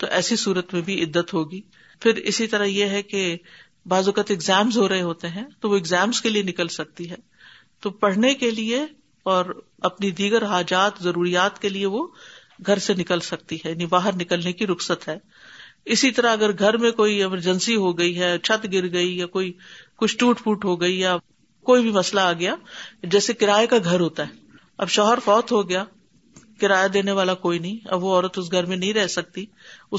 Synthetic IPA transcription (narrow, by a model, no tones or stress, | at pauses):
t̪oʔɛːsisuːɾət̪mẽbʱiɪd̪ːət̪ɦoːɡiː | fʰɪɾɪ̰sit̪ɐɾajeɦɛke | baːzʊkət̪ɪɡzɛːmzɦoɾɐɦeɦoːt̪eɦɛ̃t̪oʋoɪɡzɛːmzkelienɪkəlsɐk̚t̪iɦɛː | t̪oːpɐɽ̤nekelie | ɔːɾ | ɐpnid̪iːɡəɾɦaːd͡ʒaːt̪zɐɾuːɾijaːt̪kelieʋo | ɡʱɐɾsenɪkəlsɐk̚t̪iɦɛjaːnibaːɦəɾnɪkəlnekiɾʊksət̪ɦɛː | ɪsit̪ɐɾaɐɡəɾɡʱɐɾmẽkoːiɐməɾd͡ʒə̃nsiɦoɡɐiɦɛt͡ʃʰɐt̪ɡɪɾɡɐijakoːikʊt͡ʃʰʈuːʈfʰuːʈɦoɡɐija | koːibʱimɐslaːɡɐjaːd͡ʒɛːsekɪɾaːekaɡʱɐɾɦoːt̪aɦɛː | ɐ̰bʃɔːɦəɾfɔːt̪ɦoɡɐjaː | kɪɾaːjad̪eːneʋaːlakoːinɐɦĩɐ̰bʋoɔːɾət̪ʊs̬ɡʱɐɾmẽnɐɦĩɾɛɦsɐk̚t̪i | ʊ